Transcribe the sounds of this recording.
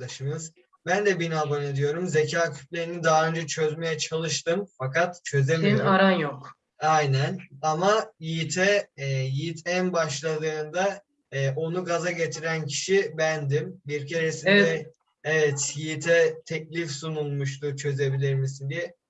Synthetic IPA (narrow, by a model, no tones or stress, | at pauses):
aʃɯmɯz | bænd̪ɛbinabojnad̪ijo̞ɾumze̞cʰaːcʰy̥t̪lʲeɾinind̪aɦaø̞nd͡ʒɛt͡ʃʰø̞zme̞jɛt͡ʃʰalˠɯʃt̪ɯmfakat̪t͡ʃʰø̞zemijoaɾanjok | ajnænamajit̪ʰɛjit̪ʰɛnbaʃlˠad̪ɯːnd̪a | ʔo̞nuɡazaɟe̞t̪ʰiɾæncʰi̥ʃibænd̪imbiɾcʰeɾesind̪ɛ | evɛt̪jit̪ʰɛt̪ʰɛclʲifsunulˠmuʃt̪ʰut͡ʃʰø̞ze̞bilʲiɾmisind̪ijɛ